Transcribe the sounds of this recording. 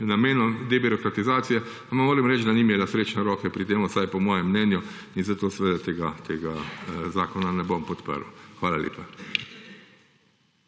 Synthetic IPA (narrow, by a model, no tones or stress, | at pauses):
nameːnɔd̪ebiɾɔkɾat̪izaːt̪sijɛ | amamoːɾɛmɾɛt͡ʃd̪animɛlasɾeːt͡ʃnɛɾɔːkɛpɾit̪eːmusajpɔmɔːjɛmːnɛːnjɔinzat̪oːsɛʋeːd̪at̪eːɡat̪ʰeːɡazaːkɔnanɛbompɔt̪pə̰ɾxʋaːlaljḛːpa